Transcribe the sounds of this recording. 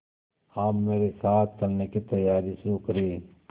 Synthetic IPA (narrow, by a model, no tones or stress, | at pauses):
aːmːeːɾesaːt̪̚ʰt͡ʃɐlnekit̪ɐjaːɾiʃʊɾukɐɾeː